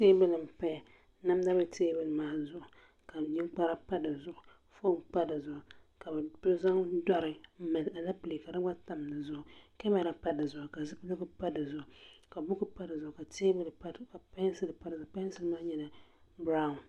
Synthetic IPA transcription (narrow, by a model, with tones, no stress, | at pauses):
teː˦bɨ˦lɨ˨m˨pa˦ja˨ | na˦m˦da˦bɨ˨teː˦bɨ˦˨lɨ˨maː˨zʊ˦˨ʔʊ˨ | ka˨ɲi˦k͡pa˦ɾa˦pa˦dɨ˨zʊ˦ʔʊ˨ | fo˦k͡pa˦dɨ˨zʊ˨ʔʊ˨ka˨bɨ˨do˦za˦ŋda˦ɾɨ˨˦ma˨la˨la˦pɨ˨le˨ka˨dɨ˦ɡ͡ba˦ta˨m˨nɨ˨zʊ˦ʔʊ˨ka˦ma˨ɾa˨pa˦dɨ˨zʊ˨ʔʊ˨ka˨zɨ˦pɨ˦lo˦ɡɨ˦pa˦dɨ˨zʊ˦˨ʔʊ˨ka˨bʊ˦ɡɨ˦pa˦dɨ˨zʊ˨ʔʊ˨ka˨teː˦bɨ˦la˦˨ka˨pa˦sɨ˨lɨ˨pa˦dzʊ˨˦pa˦sɨ˨lmaː˦ɲɛ˨na˨bɾa˦ʊ˨n